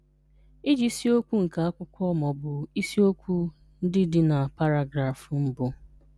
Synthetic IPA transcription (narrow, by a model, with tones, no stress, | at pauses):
i˦d͡ʒi˦si˦o˦kʷu˦ŋ̩˨ka˨a˦kʷʊ˦kʷɔ˦mɔ˨bʊ˨i˦si˦o˦kʷu˦ | n̩˦dɪ˦dɪ˦na˨pa˦ɾa˦˨ɡɾa˨fm̩˦bʊ˦